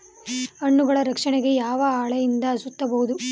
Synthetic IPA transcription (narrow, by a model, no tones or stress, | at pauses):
ɐɳːuɡɐɭɐɾɐkʂɐɳɛɡe̞jaːʋɐaːɭɐjind̪ɐːsut̪ːɐbɐɦud̪u